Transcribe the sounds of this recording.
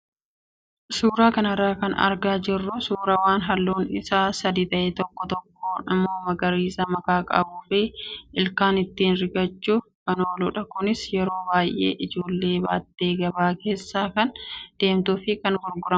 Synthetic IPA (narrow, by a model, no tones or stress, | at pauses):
suːɾaːkɐnɐrːaːkɐ̰nɐ̰ɾɡaːd͡ʒɪrːʊsuːɾɐwaːnɦɐlːuːnɪ̰saːsɐd̪iːt̪ɐʔeːt̪ɔkːɔt̪ɔkːoːnɪ̰mːoːmɐɡɐɾiːsɐmɐkaːkʼɐbuːfɪʔɪlkaːnɪt̪ːiːnɾɪɡɐt͡ʃːuːkɐno̞ːluːᶑɐkʊnɪsjɛɾo̞ːbaːjʔe̞̰ːʔɪd͡ʒo̞ːlːe̞ːba̰ːt̪ːe̞ːɡɐbaːke̞ːsːaːkɐnd̪̥e̞ːmt̪uːfɪkɐnɡʊɾɡʊɾɐm